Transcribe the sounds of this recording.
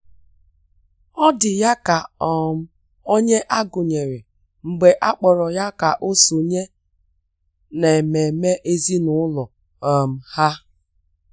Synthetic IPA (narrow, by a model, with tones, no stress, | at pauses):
ɔ˦dɪ˨ja˦ka˨ɔ˦˨m̩˦ | o˦ɲe˦ʔa˦ɡʊ˨ɲe˨ɾɪ˨ | ŋ͡m̩˨ɡ͡be˨ʔa˦k͡pɔ˨ɾɔ˨ja˦ka˨ʔo˦so˨ɲe˦ | ne˨me˨me˦ʔe˦zi˦nʊ˨˦ʊ˦lɔ˨ | ɔ˨m̩˨ha˦